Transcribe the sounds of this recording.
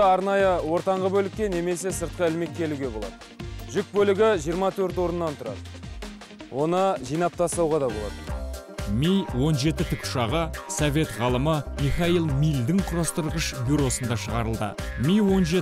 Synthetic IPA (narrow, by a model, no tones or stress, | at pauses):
ɑɾnɑjəwo̞ɾt̪ɑɴʁəbɵlɪkʲːene̞me̞s̬e̞səɾt̪̚qəɪlme̞kʲʰːe̞luɡʲe̞bo̞lˠɑd̪ə | ʒʏk̚bɵlɪɡʲɪʒijəɾmɑt̪ʰɵɾt̪wo̞ɾənːɑnt̪ʰʊɾɑ̰d̪ə | wʔo̞nəʒijnɑp̚t̪ʰɑslˠɑwʁɑd̪ɑbo̞lˠɑ̰d̪ə | mijwo̞nʒe̞t̪ɪt̪ʰɪkʊ̥ʃɑʁəsove̞t̪ʁɑlˠəməmiχɑilˠmijld̪ɪŋqʰʊɾɑst̪əɾʁəʃbʲuɾo̞sənd̪ɑʃəʁɑɾəlˠd̪ə̰mʲijwonʒe